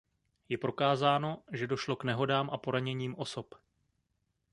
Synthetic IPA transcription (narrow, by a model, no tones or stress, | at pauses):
jɛpɾo̞kaːzaːno̞ʒɛdo̞ʃlo̞knɛɦo̞daːmʔapo̞ɾaɲɛɲiːmʔo̞so̞p